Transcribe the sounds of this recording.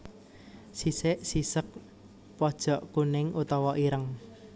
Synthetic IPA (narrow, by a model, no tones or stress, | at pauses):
sisɪʔsisək̚ | pɔd̥ʒ̥ɔ̤ʔkunɪŋʔut̪ɔwɔʔiɾəŋ